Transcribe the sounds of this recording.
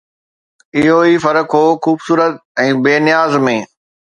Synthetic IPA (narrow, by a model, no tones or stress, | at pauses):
ɪɦoiːfɐɾəkɦoːxuːbsuːɾət̪̚ɛ̃ːbeːnɪjaːzmẽː